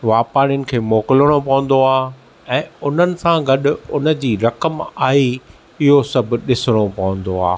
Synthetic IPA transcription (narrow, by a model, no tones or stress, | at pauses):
ʋaːpaːɾɪjʊnɪ̆kʰeːmɔːkɪləɽ̃opɐʋə̃nd̪oaː | ɛ̃ːʊn̤ənɪ̆sãɡɐɗʊ̆ʊnə̆d͡ʑiːɾɐkəmaːɦi | ɪɦosɐbʱʊ̆ɗɪsɪɽ̃opɐʋə̃nd̪oa̰ː